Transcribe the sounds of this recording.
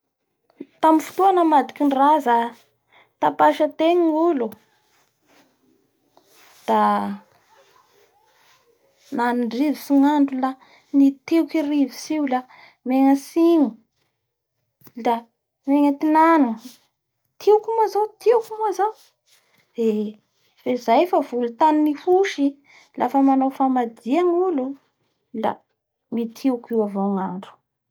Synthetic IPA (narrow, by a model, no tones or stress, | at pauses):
t̪amifu̥t̪uanəmad̪ikʲiɳraza | t̪apaʃat̪eɲulu | d̪̥a | nanuɳɖ͡ʐivisiŋaɳɖ͡ʐula | nit̪ewkirivisiwla | meŋəsiŋu | la | meŋət̪inanu | t̪ʰeukumazowt̪ʰewkumazaw | d̪̥e | fezajfavulut̪aninifuʃi | lafəmanowfamad̪iaŋulu | la̰ | mit̪ʰewkiwavoŋaɳɖ͡ʐu̥